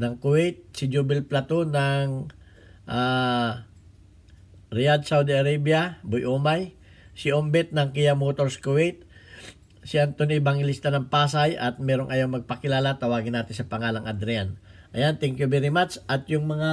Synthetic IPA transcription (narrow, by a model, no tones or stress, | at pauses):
nɐŋkʊwɛjt̪̚sɪd͡ʒuːbɪlplat̪onɐŋ | ʔa | ɾɪjad̪sawd̪iɐɾabjɐbʊjʔoːmaj | sɪʔombɛt̪̚nɐŋkɪjamoːt̪oɾskʊwɛjt̪̚ | sɪʔant̪onɪbaŋɪlist̪anɐŋpaːsajʔɐt̪̚mɛːɾoŋʔɐjawŋmɐɡ̚pɐkɪlaːlat̪ɐwaːɡɪnːaːt̪ɪnsɐpɐŋaːlɐŋʔɐd̪ɾɛjanʔɐjant̪ɛŋkjubiɾimat̪sʔɐt̪jʊŋmɐŋa